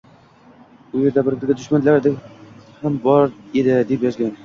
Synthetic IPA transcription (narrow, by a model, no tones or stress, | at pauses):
ʊjeɾd̪abɪɾɾɡʲad̪ʊʃmanlaɾd̪ɪhambɒɾed̪ɪd̪epjɒzɡʲan